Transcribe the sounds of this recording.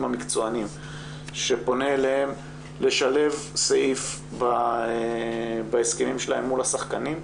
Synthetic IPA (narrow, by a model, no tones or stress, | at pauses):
mhamikt͡soanim | ʃe̞po̞neːlehem | le̞ʃale̞vseʔif | ba | baeskemimʃela̰e̞mːulhasaχkanim